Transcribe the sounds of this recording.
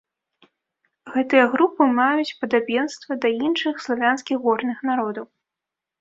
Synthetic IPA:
ɣɛt̪ɨjɐɣɾupɨmajut͡sʲpɐd̪abʲjɛnst̪vɐd̪ɐinʂɨxslˠavʲanskʲiɣːɔrnɨxnaɾɔd̪ɐw

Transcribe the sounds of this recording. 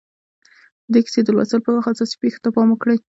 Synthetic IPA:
d̪əki̥sed̪əlwa̰salpəwaxasɑsi̥pexe̥t̪apɑməkɽəj

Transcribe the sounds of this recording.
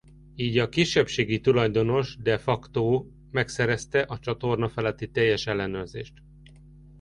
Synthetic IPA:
iːɟɒkiʃːɛpʃeːɡit̪ulɒjd̪o̞no̞ʒd̪ɛfɒkt̪oː | mɛksɛɾɛst̪ɛʔɒt͡ʃɒt̪o̞rnɒfɛlɛt̪ːit̪ɛjːɛʃɛlːɛnørzḛːʃt̪

